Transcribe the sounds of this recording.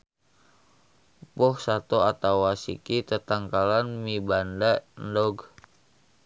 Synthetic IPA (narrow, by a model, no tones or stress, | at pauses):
pɔhsat̪oat̪awasḭkit̪ət̪aŋkalanmibandandɔɡ